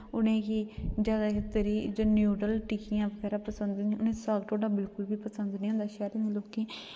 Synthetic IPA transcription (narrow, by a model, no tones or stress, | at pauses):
ʊnẽːkid͡ʒaːɡaːkɪt̪əɾiːd͡ʒoːnjuːɖəlʈikɪjãːʋəɡɛːɾaːpəsənd̪nĩːʊnẽːsaːɡʈoːɖaːbɪlkʊlbiːpəsənd̪nĩːɦõːnd̪aːʃɛːɾɪnloːkẽː